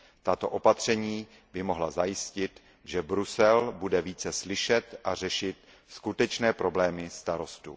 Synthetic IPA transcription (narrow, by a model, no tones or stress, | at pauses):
t̪at̪o̞̰ʔopat̪r̝̥ɛɲiː | bɪmo̞ɦlazajɪscɪt̪ | ʒɛbɾusɛlbudɛviːt͡sɛslɪʃɛt̪ʔar̝ɛʃɪt̪̚ | skut̪ɛt͡ʃnɛːpɾo̞blɛːmɪst̪aɾo̞st̪ṵ